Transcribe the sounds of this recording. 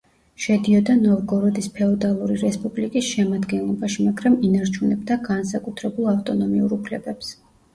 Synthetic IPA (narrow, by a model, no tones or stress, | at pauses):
ʃɛd̪iɔd̪anɔvɡɔɾɔd̪ispʰɛɔd̪alˠuɾiɾɛspʼublikʼisʃɛmad̪ɡɛnlˠɔbaʃimaɡɾaminaɾt͡ʃʰunɛbd̪aɡansakʼut̪ʰɾɛbulˠaft̪ʼɔnɔmiuɾupʰlɛbɛps